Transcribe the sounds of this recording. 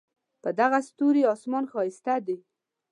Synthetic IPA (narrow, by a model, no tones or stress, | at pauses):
pəd̪aɣast̪uɾiɑsmɑnxɑɪst̪ad̪e